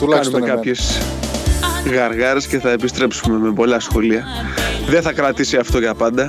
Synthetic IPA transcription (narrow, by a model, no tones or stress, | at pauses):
t̪lkɐnumekɐpçe̞s | ɣɐɾɣɐɾe̞sce̞θɐe̞pist̪ɾe̞psume̞me̞po̞lɐsxo̞liɐ | ðeθɐkɾɐt̪isiɐft̪o̞ʝɐpɐnd̪ɐ